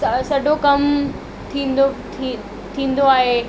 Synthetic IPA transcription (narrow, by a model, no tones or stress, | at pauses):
sɐɖokɐm | t̪ʰĩːnd̪o | i | t̪ʰĩːn̆d̪oaːɦe